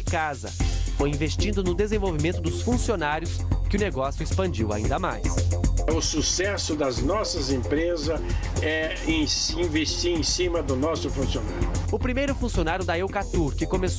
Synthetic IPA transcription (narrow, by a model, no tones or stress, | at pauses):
ɪkazɐ̰fojĩvest͡ʃĩnd̪ʊnʊd̪ezẽvowvimẽnt̪ʊd̪ʊsfũsionaɾjʊskɪʊneɡɔsjʊespɐ̃d͡ʒiwa̰ĩnd̪ɐmajsʊsusɛsʊd̪ɐznɔsɐzẽpɾezɐs | ɛ | ẽsĩvest͡ʃiẽj̃sĩmɐd̪ʊnɔsʊfũsiona̰ɾjʊʊpɾimejɾʊfũsionaɾjʊd̪ɐewkat̪uɾkɪkomes